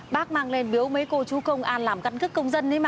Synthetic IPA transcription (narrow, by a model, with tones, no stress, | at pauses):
ɓaː˦˥k̚maː˧ŋle˧nɓi˨˦əwmə˨˦jko˧t͡ɕu˨˦xə˧wŋ͡mʔaː˧nlaː˨˩mka˧nkɨ˦˥kːə˧wŋ͡mzə˧nt̪a˨˦jmaː˨˩